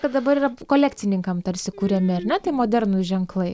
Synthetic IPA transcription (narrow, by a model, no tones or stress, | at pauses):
kɐt̪d̪ɐbɐɾiːrɐkoːlʲæːk̚ʲtt͡s̪ʲɪnʲɪŋkɐmt̪ɐɾʲsʲɪkuːɾʲɛmʲɪɐrnʲɛt̪ɐɪmoːd̪ʲɛɾnʊʒʲɛŋklˠɐɪ